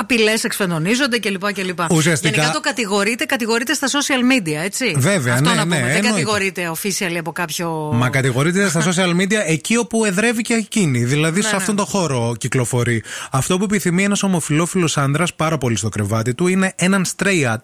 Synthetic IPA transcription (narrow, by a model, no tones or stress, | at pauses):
ɐpilesekspend̪o̞nizo̞nd̪ece̞lipɐcelipɐusiɐst̪inikɐkɐt̪okɐt̪iɣo̞ɾit̪e̞kɐt̪iɣo̞ɾit̪est̪ɐso̞siɐlmid̪iɐe̞t͡sive̞veɐfnoeɐneːenɡɐoɣo̞ɾit̪e̞ofisiɐliɐpokɐpçomɐkɐt̪iɣo̞ɾit̪est̪ɐso̞siɐlmid̪iɐecio̞pue̞ðɾe̞viceciniðilɐðisɐft̪ont̪o̞xo̞ɾo̞ciklo̞fo̞ɾiɐft̪o̞p̬ue̞piθimienɐso̞mo̞filo̞filo̞sɐnd̪ɾɐspɐɾɐpo̞list̪o̞kɾe̞vɐt̪it̪uine̞ʔenɐnst̪ɾeɐt̪̚